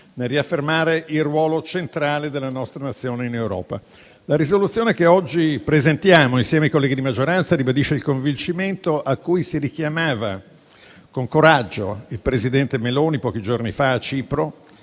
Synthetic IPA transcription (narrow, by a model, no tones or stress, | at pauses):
nelrːiafːermaːɾeʔilrwɔːlot͡ʃent̪ɾaːled̪elːanɔst̪ɾanat̪sːjoːneinewɾɔ̰ːpa̰ | laɾizolut̪sːjoːnekeɔd͡ʒːipɾezent̪jaːmoinsjɛːmeajkolːɛɡid̪imad͡ʒːoɾant̪saɾibad̪iːʃeilkoɱvint͡ʃiment̪oʔakːujsiɾik̟jamaːva | koŋkoɾad͡ʒːoilpɾezid̪ɛnt̪emeloːnipɔːk̟id͡ʒornifaːt͡ʃːiːpɾo